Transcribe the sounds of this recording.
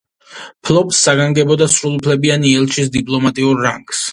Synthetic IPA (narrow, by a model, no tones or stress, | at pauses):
pʰlˠɔbsːaɡaŋɡɛbɔd̪asɾulˠupʰlɛbianiɛlˠt͡ʃis̬d̪ipʼlˠɔmat̪ʼiuɾːaŋɡ̥s